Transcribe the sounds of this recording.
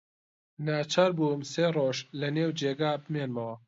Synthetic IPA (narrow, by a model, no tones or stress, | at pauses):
naːt͡ʃʰaɾbumseːroːʒlɐneːwd͡ʒeːɡaːbɨmeːnmɐwɐ